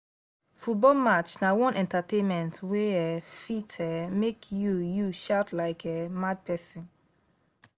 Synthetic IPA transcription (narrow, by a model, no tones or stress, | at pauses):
fut̚bɔlmat͡ʃnawɔ̃nʔɛ̃ntatẽnmɛ̃ntʰweɛfitʰɛmekʰjujuʃaʊtlaɪkʰɛmad̚pʰɛsĩn